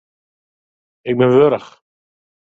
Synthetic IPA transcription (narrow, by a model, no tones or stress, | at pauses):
ɛkmɛvœːɾaχ